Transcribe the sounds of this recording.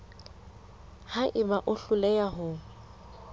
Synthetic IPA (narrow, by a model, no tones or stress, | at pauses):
haʔɪbaʔʊɬʊlɛjaɦʊ